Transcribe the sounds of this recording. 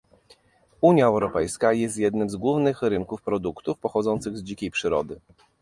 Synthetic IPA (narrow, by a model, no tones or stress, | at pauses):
uɲjaɛwɾɔpɛjskajɛst̪jɛd̪nɘmzɡwuvnɘxɾɘŋkufpɾɔd̪ukt̪ufpɔxɔd̪zɔnt̪sɘɣzd͡ʑikʲejpʂɘɾɔ̰d̪ɘ